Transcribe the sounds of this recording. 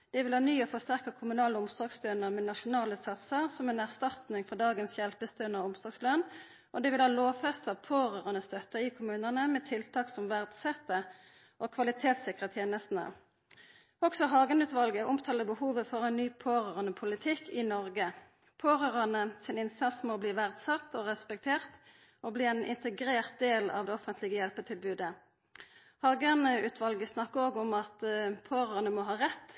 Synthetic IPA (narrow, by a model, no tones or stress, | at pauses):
d̪̥ɛʋɪlhɑːnyːɔːfɔst̪æʁkəkʰʊmʉnɑːləʊmsɔɡslønəʁmɛnɑʃʊnɑːləsɑt̪səʁsɔmɛːnæʁst̪ɑt̪nɪŋfɔʁd̪ɑːɡənsjɛlpəst̪øːnɔʊmsɔɡslœn | ʔɔd̪ɛʋɪlhɑːloːfɛst̪ɑʋpʰoːʁøːʁənəst̪œt̪əɪkʰʊmʉːnənəmɛːt̪ʰɪlt̪ʰɑːksɔmʋæʁd̪sɛt̪ːə | ʔoːkʰʋɑlɪt̪ʰeːt̪sɪkəʁət̪ʰjeːnəst̪n̩ə̰ | ɔksɔɦɑːɡənʉːt̪ʋɑlɡəʔʊmt̪ʰɑːləbəhuːʋəfɔʁɛnnyːpʰoːʁøːʁənəpʰʊlɪt̪ʰɪkʰːɪnɔʁɡə | pʰoːʁøːʁɑnəsɪnɪnsɑsmoːbliːʋæʁd̪sɑt̪ːɔʁɛspɛk̚t̪ʰeːʁt̪ | obliːɛnʔɪ̰nt̪əɡʁeːʁt̪̚d̪eːlɑ̰ʋd̪ɛɔfənt̪ʰlɪɡəjɛlpət̪ʰɪlbʉːd̪ə | hɑːɡənəʉːt̪ʰʋɑlɡəsnɑkːəʁoːɡɔmɑt̪pʰoːʁəənəmɔɦɑːʁɛt̪ː